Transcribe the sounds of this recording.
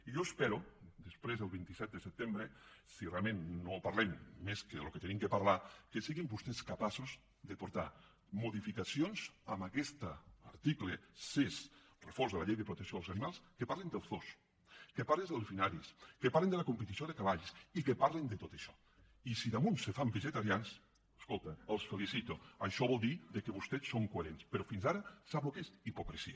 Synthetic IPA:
iʒoespɛɾud̪əspɾezðəlˠβint̪isɛt̪̚d̪əsəp̚t̪embɾesirealˠmẽnnopaɾlɛmːeskəðəluket̪enimkəpaɾlakesiɣimbust̪ɛskapasoz | ðəpuɾt̪a | muðifikasionzamakɛst̪aaɾt̪iklesis | refoɾzðəlaʎejðəpɾut̪əksioalzanimalˠskepaɾlend̪elˠzθos | kepaɾlezðelˠsfinaɾiskepaɾlend̪elakumpet̪isjoðekaβaʎsikepaɾlend̪et̪ot̪eʃɔ̥ | isiðamunsefambeʒet̪aɾjans | eskolˠt̪aːlˠsfelisit̪oaʃɔβɔlˠd̪iðekeβust̪ɛsːoŋkoeɾenspeɾofinzaɾasaβokesipokɾesḭa

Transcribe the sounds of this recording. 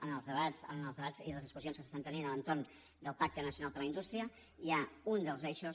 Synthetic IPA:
ənəlˠzðəβazə̰nəlˠzðəβaz̥iðələzðiskuzionskəsəst̪ant̪əninələnt̪orn | d̪əlˠpak̚t̪ənəsiunalˠpəɾləind̪ust̪ɾiə | iaund̪əlˠzɛʃos

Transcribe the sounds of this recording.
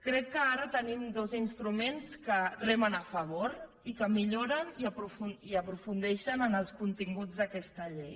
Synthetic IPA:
kɾɛkːəaɾət̪ənimd̪ozinst̪ɾumenskərɛmənəfəβ̞oɾ | ikəmiʎoɾəniəpɾufuiəpɾufund̪ɛʃənənəlˠskunt̪iŋɡud͡zðəkɛst̪əʎej

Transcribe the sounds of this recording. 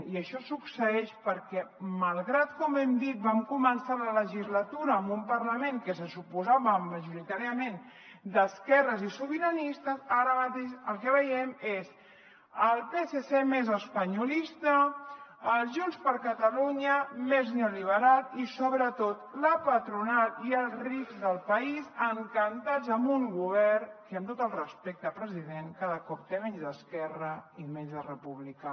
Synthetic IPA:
iəʃɔsuksəɛʃpəɾkɛməlˠɣɾat̪kɔmɛmd̪it̪̚bamkumənsalələʒizlət̪uɾəːmbumpəɾləmeŋkəsəsupuzaβəməʒuɾit̪aɾiəmen | d̪əskɛrəzisuβəɾənist̪əzaɾəmət̪eʃəlˠkəβəjɛmez | əlˠpesesemezəspəɲulist̪ə | əlˠʒunspəɾkət̪əluɲəmeznoliβ̞əɾalt̪isoβɾət̪ot̪ləpət̪ɾunalˠiəlˠzrikzðəlˠpəizəŋkənt̪ad͡zəmbuŋɡuβɛrkəəmt̪ot̪əlˠrəspek̚t̪əpɾəziðeŋkaðəkɔp̚t̪emeʎzðəskɛrəimeɲzðərəpuβlika

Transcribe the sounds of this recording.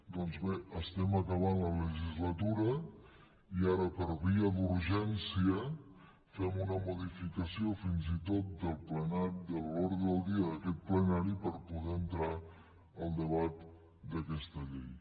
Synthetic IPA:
d̪ɔnzβeəst̪ɛməkəβanlələʒizlət̪uɾə | iaɾəpəɾβiəðuɾʒɛnsiə | fɛmunəmuðifikəsiofinzit̪ot̪̚d̪əlˠplənaɾid̪əllɔɾɣəəlˠd̪iəðəkɛt̪̚plənaɾipəɾpuðɛənt̪ɾa | əlˠd̪əβ̞at̪ | d̪əkɛst̪əʎej

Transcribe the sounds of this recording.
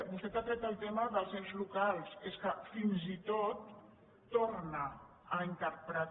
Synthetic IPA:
bust̪et̪at̪ɾɛk̚t̪alˠt̪eməðəlˠsewzlukalˠseskəfinzit̪ot̪ː | oɾna | əint̪əɾpɾət̪

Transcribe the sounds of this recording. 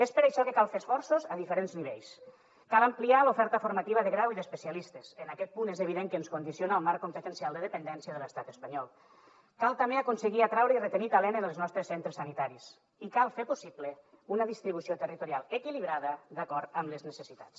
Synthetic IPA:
espəɾajʃɔkəkalˠfesfɔɾsozəðifəɾenzniβeʎs | kaləmplialufɛɾt̪əfuɾmat̪iβəðəɣɾawiðəspəsialist̪ezənakɛt̪̚punezəβ̞iðeŋkəːnskund̪isionaːlˠmaɾkompət̪ənsialˠd̪əðəpənd̪ɛnsiəðələst̪at̪əspəɲɔlˠ | kalˠt̪ambeəkunsəɣiat̪ɾawɾəirət̪ənit̪alɛnənəlˠznɔst̪ɾəsent̪ɾeəsanit̪aɾis | ikalˠfepusiplə | unəðist̪ɾiβ̞usiot̪ərit̪uɾialˠəkiliβɾaðəd̪akɔɾt̪əmləznəsəsit̪ḁ̰t͡s

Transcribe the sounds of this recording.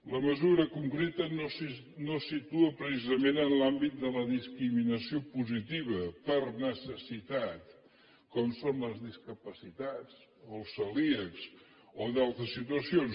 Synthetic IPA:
ləməzuɾəkuŋkɾet̪ənosi | nosit̪uəpɾəsizəmenənlambit̪̚d̪ələðiskɾiminəsiopuzit̪iβəpəɾnəsəsit̪at̪ | kɔmsonləzðiskəpəsit̪at͡s | olˠsəliəks | oðalˠt̪ɾəsːit̪uəsion

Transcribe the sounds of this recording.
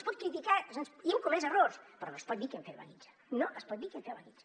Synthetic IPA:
spɔt̪̚kɾit̪ikasənsiemkumezəroɾspəɾɔnospɔt̪̚d̪ikeɱfeɾβa̰nid͡ʒə̥ | noʔəspɔt̪̚d̪ikeɱfeɾβa̰nit͡ʃə

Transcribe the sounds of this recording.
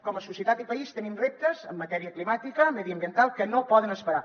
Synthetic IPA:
kɔməsusiət̪at̪ipəist̪ənimrep̚t̪əzəmːət̪ɛɾiəklimat̪ikəmɛðiəmbiənt̪alˠkənopɔðənəspəɾa

